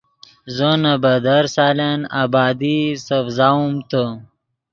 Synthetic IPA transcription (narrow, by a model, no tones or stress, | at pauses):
zonabɐd̪aɾsaːlana̰baːd̪isɐfzaumt̪ə